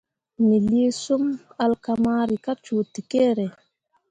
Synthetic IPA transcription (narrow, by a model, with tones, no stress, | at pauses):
mi˨li˦su˦ma˨lkamaːɾika˦t͡ʃuː˨ti˨kɛ˦ɾɛ˨